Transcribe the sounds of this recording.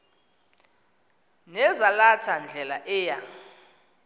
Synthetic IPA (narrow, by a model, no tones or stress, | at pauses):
nɛzalatʰand͡ɮʱɛlaʔɛːja